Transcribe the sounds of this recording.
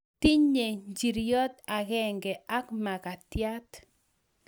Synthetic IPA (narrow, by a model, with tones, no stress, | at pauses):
ti˦ɲe˨ɲd͡ʒi˨ɾjɔ˦t̪a˨ɡɛ˦ŋɡɛ˨ʔa˦kma˨ka˨tja˦t